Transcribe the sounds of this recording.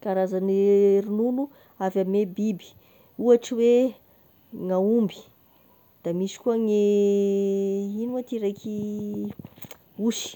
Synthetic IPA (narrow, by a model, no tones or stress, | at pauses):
kaɾazanɾinunu | avamebibi̥ | uaʈ͡ʂiwe | ŋaumbi̥ | d̪̥amisi̥kuaŋe | inuat̪iɾejkʰi | uʃi̥